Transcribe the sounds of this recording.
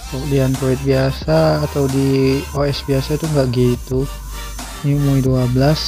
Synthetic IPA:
t̪ɔʔdianp̪ɾoɛt̪̚biasaːt̪awdioɛsbiasat̪uŋɡaʔɡet̪u | nimuiduabəlas

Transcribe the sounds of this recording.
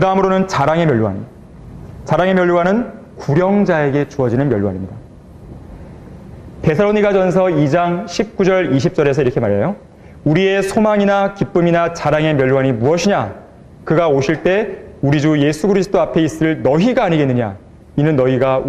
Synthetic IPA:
kɯdaɦamɯɾonɯnt͡ɕaɾaŋe̞mjʌɭuwa̰n | t͡ɕaɾaŋe̞mjʌɭːuwanɯn | kuɾjʌŋd͡ʑae̞ɡe̞t͡ɕuʌd͡ʑinɯnmjʌɭuwa̰ɲimɲida | te̞sʰaɭoɲiɡad͡ʑʌnsʰʌid͡ʑaŋɕʰip̚k͈ud͡ʑʌɾiɕʰip̚t͡ɕ͈ʌɾe̞sʰʌiɾʌkʰe̞maɾejo | uɾie̞sʰomaŋinakip͈ɯminat͡ɕaɾaŋe̞mjʌɭːuwaɲimuʌɕʰiɲa | kɯɡaoɕʰiɭt͈e̞uɾid͡ʑuje̞sʰuɡɯɾisʰɯ̥t͈ʰoapʰe̞is͈ɯɯɭnʌɦiɡaːɲiɡe̞nːɯɲa̰ | inɯnːʌiɡa

